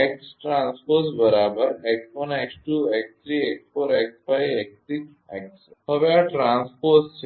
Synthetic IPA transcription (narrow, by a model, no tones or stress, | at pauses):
eksʈɾãnspoɾsbəɾabəɾeksʋənɛksʈuekst̪ɾieksfoɾeksfajek̚t̪is | ɛ̰kshəʋjaʈɾãnspoɾst͡ɕe